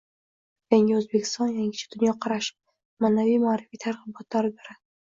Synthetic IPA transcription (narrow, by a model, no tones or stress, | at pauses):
jaŋʲɪɵzbekʲʰɪ̥st̪ɒnjaŋɡʲɪt͡ʃʰḁd̪ʊnjɒqʰɑɾaʃɪ̥ | maːnavijmaːɾɪvfit̪ʰaɾʁɨbɒt̪ʰlaɾbeɾa